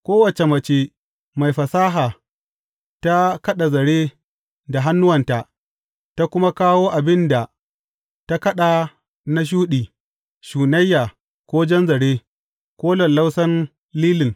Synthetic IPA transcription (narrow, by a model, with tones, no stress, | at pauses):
kʷoː˦wɐ˨t͡ʃe˨mɐ˨t͡ʃe˦ | ma˨jɸɐ˨saː˦ɦaː˨ | ta˦kɐ˦ɗa˨zɐ˨ɽeː˦ | da˨ɦa˦nːʊ˦wɐ˨nta˨ʔ | ta˦kʷʊ˦ma˦kaː˦woː˦ʔa˨bɪ˦nda˨ | ta˦kɐ˦ɗa˨ | na˦ʃ̬uː˦ɗiː˨ | ʃuː˨nɐ˦jːaː˨ | kʷoː˦d͡ʒɛ˦nzɐ˨ɽeː˦ | kʷoː˦lɔ˨nla˦wsɐ˦n | liː˦lɪ˨ŋ